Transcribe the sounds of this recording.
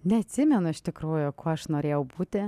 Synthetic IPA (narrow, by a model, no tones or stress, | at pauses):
nʲɛɐt̪ʲsʲɪmʲɛnʊɪʃt̪ʲɪkɾuːjʊkoːɐʃnoːɾʲeːjɛʊbuːt̪ʲɪ